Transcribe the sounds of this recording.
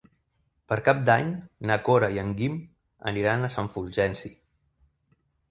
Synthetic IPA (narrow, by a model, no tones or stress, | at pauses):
pəɾkap̚d̪aɲnakoɾaiəŋɡim | ə̰niɾanəsəɱfulʲʒɛnsi